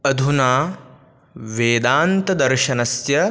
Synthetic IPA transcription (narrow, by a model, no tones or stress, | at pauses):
ɐd̪ʱunaː | ʋeːd̪aːnt̪ɐd̪ɐɾʃɐnɐsjɐ